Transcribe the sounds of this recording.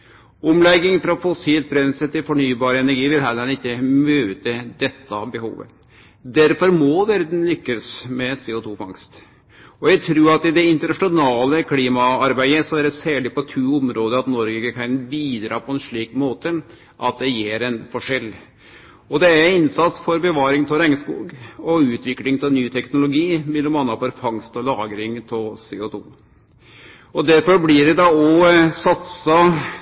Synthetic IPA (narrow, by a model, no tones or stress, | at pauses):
ɔmlɛɡːɪŋfɾɑfɔsiːlt̪̚bɾɛnsət̪ɪlfɔɳyːbɑːɾəɛnæɾɡiːʋɪlɦɛlːəɾɑnɪkːəmøːt̪əd̪ɛt̪ːɑbəhṵːʋə̰ | d̪æɾfɔɾmɔʋæɾd̪n̩lʏkːəsmɛseːɔt̪ʰuːfɑŋst̪ | ɔjæɪt̪ʰɾuːɾɑt̪ɪd̪ɛɪnt̪əɳɑʂɪʊnɑːləkʰliːmɑɑɾbæɪəsɔæɖɛsæːɭɪpɔt̪ʰʉːʊmɾoːd̪əɑt̪nɔɾɡəɡəkʰɑɪnbiːd̪ɾɑ̰ːpʰɔɛnʂɭiːkmoːt̪ə | ʔɑt̪̚d̪ɛjeːɾɛnfɔʂɛlː | ɔd̪ɛæɾɪnsɑt̪sfɔɾbɛʋɑːɾɪŋt̪ʰɪɾæɪŋəskṵːɡɔʉːt̪ʰʋɪklɪŋt̪ʰɪlnyːt̪ʰɛknʊlʊɡiːmɛlːɔmɑnːɑfɔɾfɑŋst̪ɔlɑːɡɾɪŋt̪ʰɪseːʊt̪ʰṵː | ɔd̪æɾfɔɾblɪɖɛd̪ɑɔsɑt̪sɑ